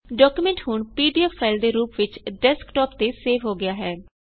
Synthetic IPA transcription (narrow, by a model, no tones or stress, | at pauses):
ɖɔːkuːmɛ̃ɳʈhʊɳpiːɖiɛpʰːaːɪld̪eːɾuːpʋɪt͡ʃɖɛːskʈɔːpt̪eːseːʋɦoːɡɪjaːɦɛː